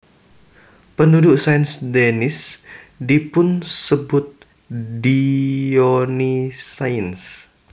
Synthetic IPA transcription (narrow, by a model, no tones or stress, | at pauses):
pəndudʊʔsainsdɛnɪs | dipʊnsəbʊt̪̚ | dionisains